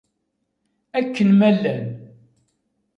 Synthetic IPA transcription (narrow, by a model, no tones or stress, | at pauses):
ækːənmælːæn